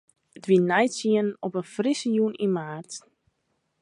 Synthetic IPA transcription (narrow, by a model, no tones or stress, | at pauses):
dʋinɛjsiənnɔpənfrisəjuninmaːrt